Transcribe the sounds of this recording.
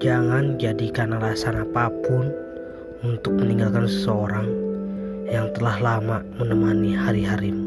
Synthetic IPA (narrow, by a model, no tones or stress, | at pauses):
d͡ʒaŋand͡ʒadikanalasanapapʊn | unt̪ʊk̚məniŋɡalkansə̥səoɾaŋ | jaŋt̪əlahlamamənəmanihaɾiɦaɾim